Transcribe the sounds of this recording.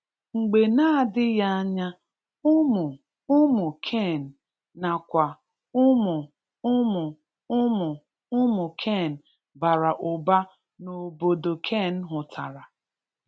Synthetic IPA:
ŋ͡m̩˨ɡ͡be˨na˦dɪ˦ja˦a˦ɲa˦ | ʊ˦mʊ˨ | ʊ˦mʊ˨kʰe˦˨n̩˨ | na˨kʷa˨ | ʊ˦mʊ˨ | ʊ˦mʊ˨ | ʊ˦mʊ˨ | ʊ˦mʊ˨kʰe˦˨n̩˨ | ba˨ɾa˨ʔʊ˨ba˦ | no˨bo˨do˨kʰe˦˨n̩˦ɦʊ˨tʰa˨ɾa˨

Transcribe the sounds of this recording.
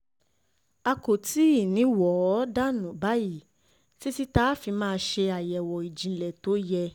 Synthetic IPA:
a˧ko˨ti˦i˦˨nĩ˨˦wɔ˨˦da˦nũ˨˦ba˨˦ji˦˨ | ti˦si˦ta˦fi˧mãː˦˧ʃe˧a˨jɛ˨wɔ˨i˨d͡ʒĩ˨˦lɛ˨to˨˦jɛ˧

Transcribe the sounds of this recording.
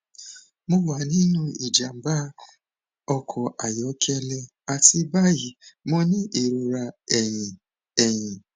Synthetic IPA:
mo˧wa˨nĩ˦nũ˦i˨d͡ʒa˨m̩˨ba˦ | ɔ˧kʰɔ˨ʔa˨jɔ˨˦kɛ˧lɛ˧ | a˨ti˧ba˦ji˨˦mɔ̃˧nĩ˦ʔe˨ɾũ˧ɾa˧ɛ˨jĩ˨ | ɛ˨j̃ĩ˨

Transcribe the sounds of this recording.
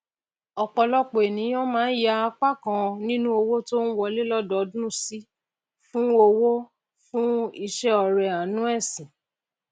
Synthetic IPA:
ɔ˨k͡pɔ˧lɔ˦k͡po˨e˨nĩ˨˦j̃ɔ̃˦mãː˨˦n̩˦ja˧˦a˧k͡pa˦˨kã˧nĩ˦nũ˦o˧wo˦to˦n̩˦wɔ˧le˦lɔ˦dɔ˨˦dũ˦˨si˦ | fũ˦o˧wo˦ | fũ˦i˧ʃɛ˦ɔ˧˨ɾɛ˨a˨nũ˦ɛ˦˨sĩ˨

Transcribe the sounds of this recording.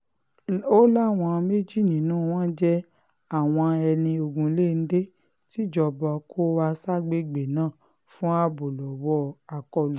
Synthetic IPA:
o˦la˦˨w̃ɔ̃˧me˦d͡ʒi˦˨nĩ˨nũː˦˨w̃ɔ̃˦d͡ʒɛ˦ | a˦˨w̃ɔ̃˧ɛ˧nĩ˧o˧ɡũ˧˦le˦˨n̩˦de˦ | ti˦d͡ʒɔ˧bɔ˧kʰo˦wa˧sa˦ɡ͡be˦ɡ͡be˨nãː˦˨ | fũ˦a˦bo˨lɔ˨wɔ˦a˧kɔ˧˨lu˨

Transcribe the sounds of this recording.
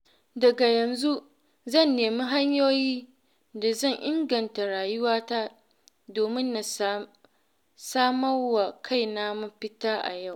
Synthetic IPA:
dɐ˨ɡa˨jɐ˨nzu˦ | zɐ˦˨nːeː˨mi˦ɦa˦ɲjoː˦jiː˦ | da˨zɐ˦˨ɲʔɪ˦ŋɡɐ˨nta˨ɽaː˨jʊ˦waː˦ta˦ | doː˨mɪ˦nːa˨ | saː˦mɐ˦rwa˨kʰa˦˨jnaː˦mu˦ɸɪ˦taː˦ʔa̰˨ja˦˨w

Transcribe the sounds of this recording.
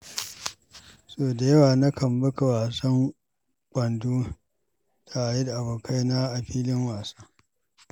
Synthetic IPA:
soː˦da˨jɐ˦waː˨na˦kʰɐ˨mbɐ˦ka˨waː˨sɐ˦ŋ | kʷʼɐ˨nduː˦ | tʰa˨jɛ˦dʔa˨boː˨kʰa˦jna˦ʔa˨ɸiː˦lɪ˦ŋwaː˨saː˦

